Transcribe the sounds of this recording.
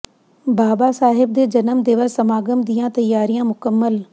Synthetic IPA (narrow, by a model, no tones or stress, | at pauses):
baːbasaːɦɪb̚d̪eːd͡ʒɐnəmd̪eːʋəsɐmaːɡəmd̪ijãt̪ɐjːaːɾijãmʊkəmːəl